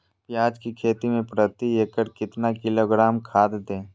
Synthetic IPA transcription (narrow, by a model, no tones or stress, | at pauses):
pjaːd͡ʒkikʰeːt̪imẽpɾət̪ieːkəɾkɪt̪nakɪloːɡɾaːmkʰaːd̪d̪ẽː